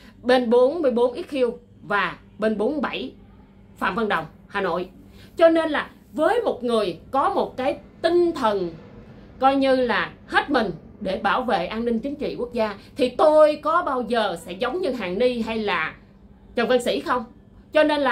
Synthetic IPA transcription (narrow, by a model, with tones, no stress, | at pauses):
ɓe˧nɓo˨˦nmɨ˧jɓo˨˦nʔi˦˥t̚xi˧əw | vaː˨˩ | ɓe˧nɓo˨˦nɓa˧˩j | fa̰ː˧˨mvə˧˩nɗə˨˩wŋ͡m | haː˨˩no̰˧˨j | t͡ɕɔ˧ne˧nlaː˨˩ | vəː˨˦jmo˨˩t̚ŋɨ˨˩əjkɔ˨˦mo˨˩t̚kaː˨˦jt̪ï˧ŋ̟t̪ʰə˨˩n | kɔ˧jɲɨ˧laː˨˩he˦˥t̚mï˨˩ŋ̟ | ɗe˧˩ɓaː˧˩wvḛ˧˨ʔaː˧nnï˧ŋ̟t͡ɕï˨˦ŋ̟t͡ɕḭ˧˨ku˦˥ək̚zaː˧t̪ʰi˨˩t̪o˧jkɔ˨˦ɓaː˧wzəː˨˩sɛ̰˧˥zə˨˦wŋ͡mɲɨ˧ɦaː˨˩nni˧ɦa˧jlaː˨˩ | t͡ɕə˨˩və˧nsḭ˧˩˨xə˧wŋ͡m | t͡ɕɔ˧ne˧nlaː˨˩